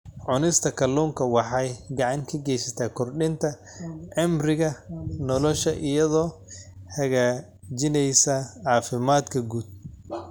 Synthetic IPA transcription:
ʕʊnɪst̪ʰɐkʰɐlːuːŋkʰɐwɑħɑjɡɑʕɑŋkʰɐɡɛjsɐt̪ʰaːkʰɔrɗɪnt̪ʰɐ | ʕɪmrɪɣɐnɔlɔʃɐʔɪjɐðɔːhɐɣaː | d͡ʒɪnɛjsɐʕɑːfɪmaːd̪kʰɐɡuːd̪̚

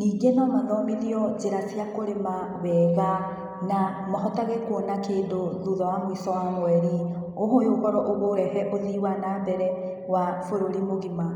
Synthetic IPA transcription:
niːɡenɔmaðɔmiðiɔd͡ʒeɾasiakoɾema | βɛːɣa | na | mɔɦɔtaɣɛkonakeːndoðuðɔwamwisɔwamwɛɾi | oɦojoɣɔɾɔʔoɣoɾɛhɛʔoðiwanaːmbɛɾɛ | wafoɾoɾimoɣima

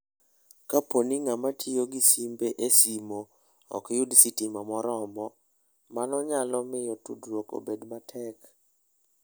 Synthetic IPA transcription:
kaponiŋamatʰijoɡisimbeʔesimo | ɔ̰kjudsitimamɔɾɔmɔ | manɔɲalɔmɪjɔtṵdɾoko̰bedmatʰɛk

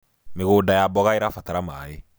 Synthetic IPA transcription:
meɡoːdajabɔɡaiɾafataɾama̰ːje

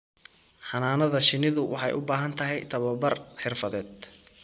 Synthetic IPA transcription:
ħɑnaːnɐðɐʃɪnɪðʊwʔɑħɑ̰jʔʊbaːɦɐnt̪ʰɐɦɛjt̪ʰɐβɐbɐrħɪrfɐðɛːd̪̚

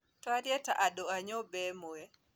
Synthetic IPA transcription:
twaɾjɛta̰ʔadoaɲobɛmoɛ

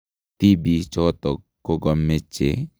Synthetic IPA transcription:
t̪ibit͡ʃɔt̪ɔkːoɡɔmːet͡ʃːḛ

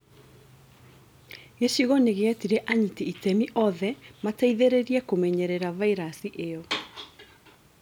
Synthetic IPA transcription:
eʃiɣɔneɣeatiɾɛʔaɲitiitɛmiʔɔðɛmataiðeɾeɾiɛkomɛɲɛɾɛɾavaiɾasiʔeɔ

